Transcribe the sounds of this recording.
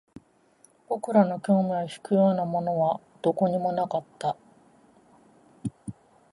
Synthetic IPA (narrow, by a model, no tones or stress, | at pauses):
b̥o̞kɯ̟ɾano̞kʲo̞ːmʲijaçi̥kɯ̟jo̞ːnamo̞no̞β̞a | d̪̥o̞ko̞ɲ̟imo̞nakat̪ːa